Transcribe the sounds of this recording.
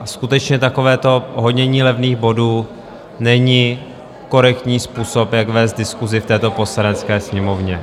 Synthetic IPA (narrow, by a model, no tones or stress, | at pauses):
skut̪ɛt͡ʃɲɛt̪ako̞vɛːt̪o̞ɦod̪ɲɛɲiːlɛvniːɣbo̞duː | nɛɲi | ko̞ɾɛkt̪ɲiːspuːso̞pjakvɛːst̪̚dɪskuzɪft̪ɛːt̪o̞po̞slanɛt͡skɛːsɲɛmo̞vɲɛ